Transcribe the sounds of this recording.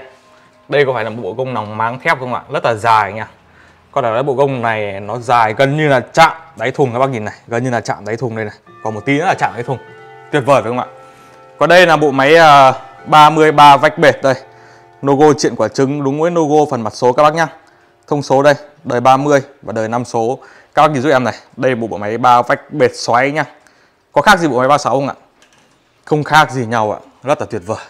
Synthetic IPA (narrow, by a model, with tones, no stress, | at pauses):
ɗə˧jkɔ˨˦faː˧˩la˨˩ɓ̰o̰˧˨kə˧wŋ͡mna˨˩wŋ͡mmaː˨˦ŋt̪ʰɛ˦˥wp̚kə˧wŋ͡mʔa̰ː˧˨zə˦˥t̚laː˨˩zaː˨˩jɲaː˧˩ | kɔ˨˧˦ɗa˨˧˩aː˨˦jɓo̰˧˨ɣə˧wŋ͡mna˨˩jnɔ˨˦zaː˨˩jɣə˨˩nɲɨ˧laː˨˩t͡ɕa̰ː˧˨mɗa˨˦jt̪ʰu˨˩ŋkaː˧˦ɓaː˦˥k̚ɲi˨˩nːa˨˩jɣə˨˩nɲɨ˧laː˨˩t͡ɕa̰ː˧˨mɗa˨˦jt̪ʰŋɗə˧jna˨˩j | kɔ˨˩nm˨˩t̚t̪i˨˦zə˦˥t̚laː˨˩t͡ɕa̰ː˧˨mɗa˨˦t̪ʰu˨˩əŋ | t̪wi˨˩ət̚vəː˨˩vaː˨˩˨ə˧ŋ͡mʔa̰ː˧˨ | kɔ˨˦ɗə˧jlaː˨˩ɓo̰˧˨ma˨˦jʔəː˨˩ɓaː˧mɨ˧əjɓaː˧va˦˥jk̚ɓe˨˩t̚ɗə˧j | no˧ɣo˧t͡ɕḭ˧˨ənkwt͡ɕɨ˨˦ŋɗʊ˨˦ŋ͡mvəː˨˦jno˧ɣo˧fə˨˩nma˨˩t̚so˨˦kaː˦˥ɓaː˦˥k̚ɲa˧ŋ | t̪ʰə˧wŋ͡mso˨˦ɗə˧j | ɗəː˨˩jɓaː˧mɨ˧əjvaː˨˩ɗəː˨˩jna˧mso˨˦ | kaː˦˥ɓaː˦˥ɲi˧zu˦˥ʔɛ˧mna˨˩jɗə˧jɓo̰˧˨ɓo̰˧˨ma˨˦jɓaː˧va˦˥jk̚ɓe˨˩t̚swa˨˦jɲa˧ŋ | kɔ˨˦xa˦˥k̚zi˨˩ɓo̰˧˨ma˨˦jɓaː˧sa˨˦whŋʔa̰ː˧˨ | xə˧wŋ͡mxaː˦˥k̚zi˨˩ɲa˨˩wʔa̰ː˧˨ | zə˦˥t̚laː˨˩t̪wi˨˩ət̚vəː˨˩j